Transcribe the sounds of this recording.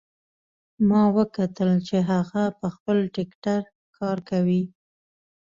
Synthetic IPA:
mɑwəkat̪əlt͡ʃeɦaɣapəxpəlʈɪkʈaɾ | kʰɑɾkawi

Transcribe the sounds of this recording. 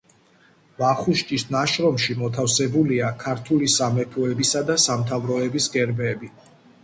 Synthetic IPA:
baχuʃt͡ʃ̪ʼisnaʃɾɔmʃimɔt̪ʰafsɛbuliakʰaɾt̪ʰulisamɛpʰɔɛbisad̪asamt̪ʰavɾɔɛbisɡʼɛɾbɛːbi

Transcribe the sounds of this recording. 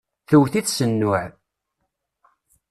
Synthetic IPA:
θəwθiθsənːʊʕ

